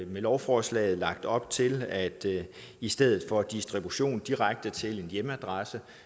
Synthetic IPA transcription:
melɒʊfɒːslɛ̰ːɪð̞̩ˠlɑ̈ɡ̥̚d̥ɒ̽b̥̚t͡sʰe̝læd̥ | isd̥eð̞̰ˠð̩ˠfɒ̽d̥isd̥ʁib̥uɕo̝̰ːnd̥iʁaɡ̥̚d̥ət͡sʰe̝le̝njeməæd̥ʁɑsə

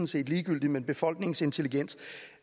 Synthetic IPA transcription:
n̩se̝̰ːd̥liːɡ̥yl̰d̥imenb̥e̝fɒ̽l̰ɡ̥ne̝ŋse̝nt͡sʰe̝liɡ̥en̰s

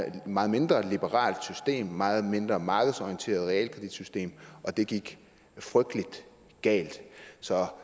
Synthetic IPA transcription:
mɑ̈ːð̩ˠme̝nd̥ʁɐlib̥əʁɑ̰̈ːld̥sysd̥e̝̰ːmːɑ̈ːð̞̩ˠme̝nd̥ʁɐmɑ̈ːɡ̥əð̞̩ˠsɒijent͡sʰe̝̰ːɐð̞̩ˠʁɛɛ̰ːlkʰʁid̥id̥sysd̥e̝̰ːmʔɒ̽d̥e̝ɡ̥iɡ̥ | fʁœɡ̥d̥əlid̥ | ɡ̥ɛ̰ːld̥sɒ̽

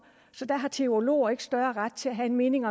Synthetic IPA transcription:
sɒ̽d̥æɦɑ̈t͡sʰe̝o̝lo̝̰ːɐe̝ɡ̥ə̥sd̥ɶɐʁad̥̚t͡sʰe̝læɦæenme̝ːne̝ŋɒ̽

